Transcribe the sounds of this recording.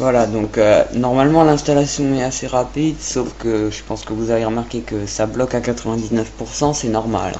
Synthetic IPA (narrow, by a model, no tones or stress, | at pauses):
vwalad̪ɔ̃kønɔʁmalmɑ̃lɛ̃st̪alasjɔ̃ɛt̪aseʁapid̪sofkəʒəpɑ̃skəvuzaveʁəmaʁkʲekəsablɔkakat̪χəvɛ̃d̪iznəfpuʁsɑ̃sɛnɔʁma̰l